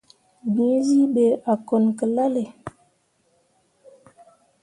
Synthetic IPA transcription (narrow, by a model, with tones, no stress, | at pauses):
bĩ˨˦zi˦ɓe˨a˨kɔ˨nkə˨la˦le˨